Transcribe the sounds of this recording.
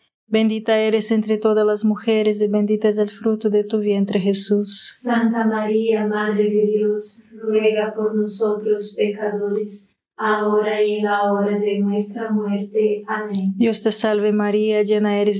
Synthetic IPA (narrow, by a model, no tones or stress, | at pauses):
bẽnd̪it̪aeɾesẽnt̪ɾet̪oðalazmuxeɾezebẽnd̪it̪azelfɾut̪ud̪et̪uβjent̪ɾexesussant̪amaɾiamaðɾed̪edilos | rweɣapoɾnosot̪ɾospekaðoɾes | aoɾajelaoɾaðenwest̪ɾamweɾt̪eamẽŋd̪jost̪esalβemaɾiad͡ʒenaeɾez